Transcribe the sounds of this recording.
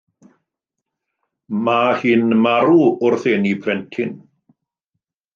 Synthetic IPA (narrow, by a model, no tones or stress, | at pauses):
mahiːnmaɾuʊrθɪnipʰrɛntʰɪn